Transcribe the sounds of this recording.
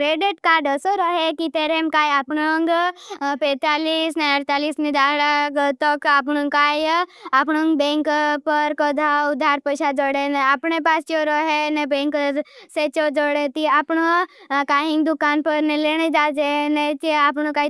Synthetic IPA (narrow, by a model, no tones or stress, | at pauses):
kɾeɖiʈkaːɖəsoɾɔɦekit̪eɾemkaːjapɳoŋɡpet̪aːliːsneəɾt̪aːliːsnid̪aːɽaɡt̪ɔkapnũŋkajapɳoŋɡbẽŋkpəɾkɔd̪ʱaʊd̪ʱːaːɾpəʃad͡ʒɔɽeneapɳepaːst͡ʃoɾɔɦenebẽŋkset͡ʃod͡ʒoɽet̪iapɳokaːɦĩŋɡd̪ʊkaːnpəɾneleɽ̃ed͡ʒaːd͡ʒenet͡ʃiapnoka